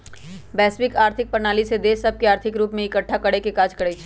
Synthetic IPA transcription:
bɛːsʋɪkaːɾt̪ʰɪk̚pəɾnaːlised̪eːʃɐb̚keaːɾt̪ʰɪkɾuːpmẽɪkəʈʰːakɐɽekekaːd͡ʒkɐɽet͡ʃʰː

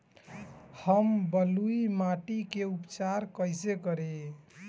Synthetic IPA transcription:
həmbəluimaʈikeupt͡ʃaɾkəjsekəɾe

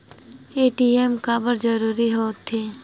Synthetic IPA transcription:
eːʈiːemkaːbəɾd͡ʒəɾuːɾiɦoːt̪ʰeː

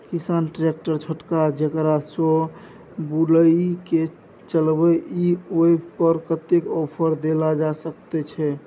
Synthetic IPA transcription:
kisanʈɾek̚ʈəɾt͡ʃʰəʈkad͡ʒekɾaso | buləike | t͡ʃəlbəioipəɾkət̪ekɔpʰəɾd̪elad͡ʒasəkt̪ɛt͡ʃʰɛ

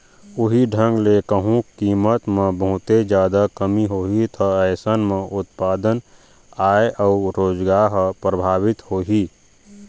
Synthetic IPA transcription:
ʊɦiɖʱə̃ŋɡlekəɦũkiːmət̪mẽbəɦʊt̪ed͡ʒjaːd̪akəmiɦoːɦit̪ʰəəɪsənmẽʔʊt̪paːd̪ən | aːeʔəʊɾoːd͡ʒɡaːɾɦpɾəbʱaːʋɪt̪hoːɦiː

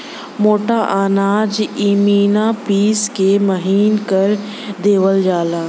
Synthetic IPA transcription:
moːʈaʔaːnaːd͡ʒimiːnapiːskemɐɦiːnkəɾ | d̪eːwəld͡ʒaːlaː

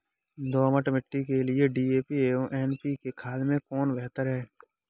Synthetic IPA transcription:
d̪oːməʈmɪʈːikelieɖiːeːpieõʔɛːnpikekʰaːlmẽkɔːnbɛɦt̪əɾɦɛː

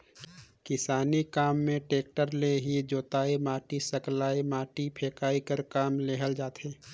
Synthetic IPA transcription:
kɪsaːnikaːmːẽʈeːk̚ʈəɾleɦid͡ʒoːt̪aːemaːʈisəklaːemaːʈipʰeːkaːikəɾkaːmleɦəld͡ʒaːt̪ʰeː

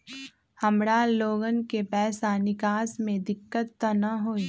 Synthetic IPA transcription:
hɐmɽaloːɡənkepɛːsanɪkaːsmẽd̪ɪkːət̪ːənɐɦoːi

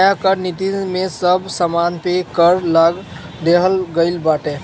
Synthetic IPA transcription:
jakəɾnit̪imesəbʱsəmanpekəɾlaɡ | d̪eɦəlɡəɪlbaʈe

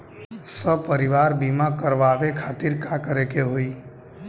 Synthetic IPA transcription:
səb̚pəɾiʋaɾbimakəɾʋaʋekʰat̪iɾkakəɾekeɦoi

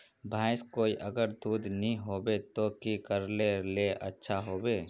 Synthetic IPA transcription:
bʱaːɪskoːiʔɐɡəɾd̪uːd̪nəɦĩɦoːbet̪okikəɾleleʔɐ̰tːʃʰaɦoːbeː

